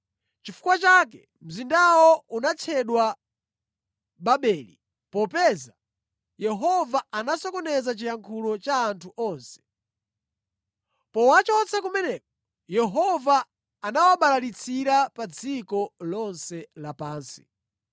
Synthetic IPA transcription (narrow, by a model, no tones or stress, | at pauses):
t͡ʃifu̥kwat͡ʃak̬ɛ | m̩zindawɔunat͡ʃʰɛɗwa | ɓaɓɛːli | pɔpɛːza | jɛɦɔvaanasɔkɔnɛzat͡ʃijaŋkʰulɔt͡ʃaːntʰuʔɔːnsɛ̥ | pɔwat͡ʃɔt͡sʰakumɛnɛk̚ɔ | jɛɦɔvaː | nawaɓalalit͡sʰiɾapad͡zikɔlɔnsɛlapaːnsi̥̰